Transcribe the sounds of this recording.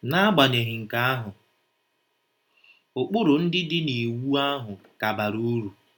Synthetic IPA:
na˦a˦ɡ͡ba˨ne˨ɦɪ˨ŋ̩˨ka˦a˦ɦʊ˨ | ʊ˨k͡pʊ˦ɾʊ˨n̩˦dɪ˦dɪ˦ni˨wu˦a˦ɦʊ˨ka˨ba˨ɾu˦ɾu˨

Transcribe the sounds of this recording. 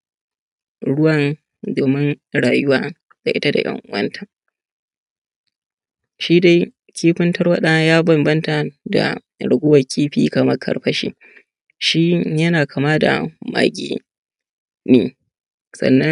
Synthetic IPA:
ɽʊ˦wɐ˨n | doː˨mɪ˦nɽaː˨jʊ˦waː˨ | d̥a˨ʔɪ˦ta˦da̰˨jʔɐ̰˦ŋʔʊ̰˦wɐ̰˦ntʰa˨ | ʃiː˦da˦j | kʲiː˦ɸɪ˦ntɐ˦rwɐ˦ɗa˦jaː˦bɐ˨mbɐ˦nta˨da̰˨ | ɽʊ˨ɡʷʊ˦wɐ˨kʲiː˦ɸiː˦kɐ˨mɐ˦rkʰɐ̰˦ɽɸɐ˦ʃḭː˦ | ʃi˦jɐ˦naː˨kʰa˨maː˦da̰˨ma̰ː˨ɡʲḭː˦ | neː˨ | sɐ̰˨nːɐ˦

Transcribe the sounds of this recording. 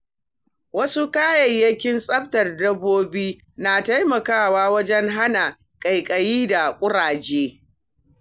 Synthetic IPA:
wɐ˦su˦kaː˦jɐ˨jjɐ˦kʲɪ˦nsʼɐ˦ɸtɐ˨rdɐ˦bːoː˦biː˦ | naː˨ta˦jmɐ˨kaː˦˨waː˦wɐ˦d͡ʒɛ˦ŋɦa˦na˨ | kʼɐ˨jkʼɐ˨jiː˦da˨kʷʼʊ˦ɽaː˨d͡ʒeː˦

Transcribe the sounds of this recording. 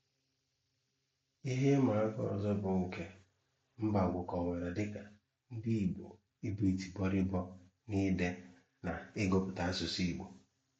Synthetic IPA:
i˦ɦe˦ma˨a˦kɔ̰˦ɔ˨zɔ˦bʊ˨ŋ̩˨ke˦ | m̩˦ba˨ɡʷʊ˨kɔ˨ŋʷe˨ɾa˨dɪ˦ka˨ | n̩˦di˦i˨ɡ͡bo̰˨ | i˦bi˦˨i˨ti˨bɔ˦ɾɪ˦bɔ˦ | ni˦de˦ | na˨ɪ˦ɡo˨pʊ˨ta˦a˦sʊ˨si˦˨ɡ͡bo˨

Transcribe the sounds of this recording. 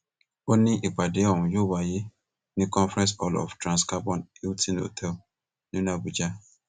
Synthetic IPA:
o˦ni˦ʔi˨k͡pa˨de˨˦ɔ˨m̩˨jo˦wa˨je˦ | nĩ˦kɔ̃˦nfɾɛ̃˦s̬ɔ˦lɔ̰˨ftɾã˨nska˦bɔ̃˦ni˦ltʰĩ˦no̰˨tʰɛ˦l | nũ˦na˨bu˨d͡ʒa˦

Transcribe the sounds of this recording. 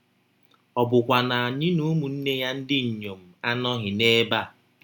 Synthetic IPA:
ɔ˨bʊ˨kʷa˨na˨ɲi˦nu˦mu˨n̩˦ne˦ja˦n̩˦dɪ˦ɲ̩˨ɲo˨m̩˨a˦nɔ˦ɦɪ˨ne˦ba˦˨

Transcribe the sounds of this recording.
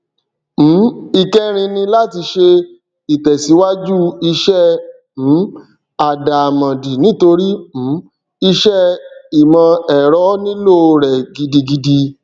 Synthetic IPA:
m̩˨˦i˦˨kɛ˦ɾ̃ĩ˧nĩ˧la˦ti˧ʃe˧ | i˨tɛ˨si˨˦wa˦d͡ʒu˦i˧ʃɛ˦ | m̩˨˦ | a˨da˨mã˨di˨nĩ˨˦to˧ɾi˦m̩˨˦ | i˧ʃɛ˦i˨mã˧ɛ˨ɾɔ˨˦nĩ˦lo˦˨ɾɛ˨ɡi˧di˧ɡi˧di˧

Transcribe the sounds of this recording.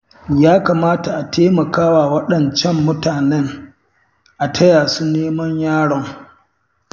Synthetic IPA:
jaː˦kaː˨maː˦ta˨ʔa˨tʰeː˦mɐ˨kaː˦waː˨wɐ˦ɗɐ˨nt͡ʃɛ˦mːʊ˦taː˨nɛ˦ŋ | ʔa˨tʰɐ˦jaː˨su˦neː˦mɐ˦ɲjaː˦ɽɔ˦ŋ

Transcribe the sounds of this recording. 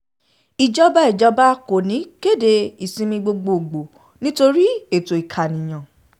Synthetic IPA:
i˨d͡ʒɔ˦ba˦ɛ˦˨d͡ʒɔ˨˧ba˦ko˨nĩ˨˦ke˦˨de˧˦i˦˨sĩ˧mĩ˧ɡ͡bo˧ɡ͡bo˨ɡ͡bo˨ | nĩ˦to˧ɾi˦e˦˨to˨i˨kʰa˨nĩ˨j̃ã˨

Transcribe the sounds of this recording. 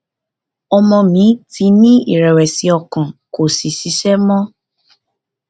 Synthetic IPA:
ɔ˧mɔ̃˧mĩ˨˦ti˧˦nĩ˦ḭ˦˨ɾɛ˨wɛ˨si˨ɔ˧kã˨ko˨si˨si˨˧˦ʃɛ˦mɔ̃˦

